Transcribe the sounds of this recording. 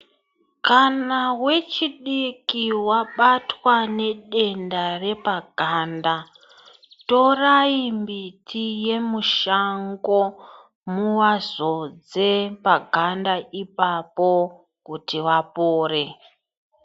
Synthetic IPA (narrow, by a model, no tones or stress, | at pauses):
kanawe̞t͡ʃiɗikiwaɓatwane̞ɗe̞ndare̞paɡʱanda | to̞raimbitije̞muʃaŋɡo̞ | muwazod͡ze̞paɡʱandaʔipapo | kutiʋapoːre̞